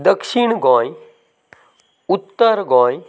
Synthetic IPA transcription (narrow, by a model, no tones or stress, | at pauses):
d̪əkʃiɳ̃ɡɔ̃ːj | ut̪ːəɾɡɔ̃ːj